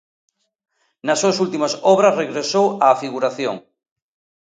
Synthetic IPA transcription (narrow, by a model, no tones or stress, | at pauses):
nasːusult̪imasɔβɾasreɣɾesowaːfiɣuɾaθjo̰ŋ